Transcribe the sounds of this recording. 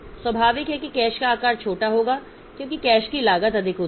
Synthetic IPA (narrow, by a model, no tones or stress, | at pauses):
swɐbʱaːʋɪkɦɛkikɛːʃkaːkaːɾt͡ʃʰoːʈaɦoːɡaː | kjõːkikɛːʃkilaːɡət̪ɐd̪ʱɪkɦoː